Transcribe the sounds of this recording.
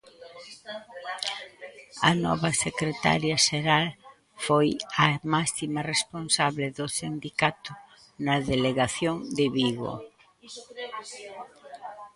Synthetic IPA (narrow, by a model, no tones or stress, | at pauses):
ɐ̰nɔ̰βɐsekɾet̪a̰ɾjɐʃeɾal | fojɐmasimɐresponsaβleðosind̪ikat̪ʊ | nɐðeleɣaθjoŋd̪ɪβiɣo̰